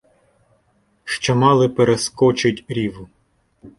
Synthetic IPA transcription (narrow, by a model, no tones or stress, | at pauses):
ʃt͡ʃɔmɑlˠɪpeɾeskɔt͡ʃɪtʲɾʲiʋʊ